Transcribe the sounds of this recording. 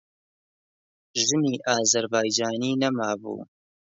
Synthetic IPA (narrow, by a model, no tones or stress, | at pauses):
ʒɨniːʔaːzɐɾbaːjd͡ʒaːniːnɐmaːbṵː